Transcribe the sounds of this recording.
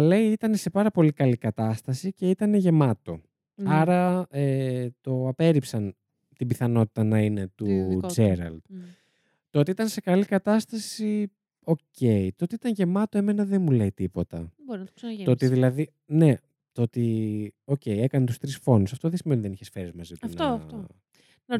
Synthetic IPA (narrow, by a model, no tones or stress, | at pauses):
le̞iit̪ɐne̞se̞pɐɾɐpo̞likɐlikɐt̪ɐst̪ɐsice̞it̪ɐne̞ʝe̞mɐt̪o̞ | ɐɾɐet̪o̞ɐpe̞ɾipsɐn | t̪ibiθɐno̞t̪i̥t̪ɐnɐine̞t̪ud͡zeɾɐ̰ld̪̥ | t̪oot̪iit̪ɐnse̞kɐlikɐt̪ɐst̪ɐsi | o̞ce̞it̪oot̪iit̪ɐɲʝe̞mɐt̪oeme̞nɐðe̞nmuleit̪ipo̞t̪ɐ̰boɾinɐt̪o̥sɐnoot̪iðilɐði | ne̞ | t̪oot̪io̞ce̞je̞kɐnet̪ust̪ɾisfo̞nusɐft̪o̞ðesimenot̪iðeniçesfe̞ɾizmɐziot̪n